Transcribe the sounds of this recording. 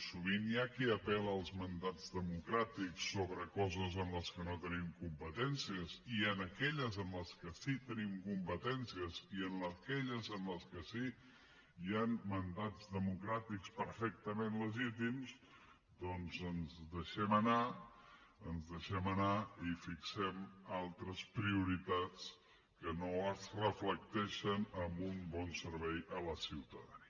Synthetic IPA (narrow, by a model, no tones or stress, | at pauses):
suβ̞injakiəpɛləːlˠzmənd̪ad͡zðəmukɾat̪iksːoβɾəkɔzəzənləskənot̪ənimkumpət̪ɛnsiəziənəkɛʎəzənləskəsit̪ənimkumpət̪ɛnsiəziənləkɛʎəzənləskəsi | janmənd̪ad͡zðəmukɾat̪ikspəɾfɛk̚t̪əmenləʒit̪imz | d̪ɔnzənzðəʃɛməna | ənzðəʃɛmənaifiksɛmalˠt̪ɾəspɾiuɾit̪at͡s | kənoəzrəflək̚t̪ɛʃənəmbumbɔnsəɾβɛjələsiwt̪əðəni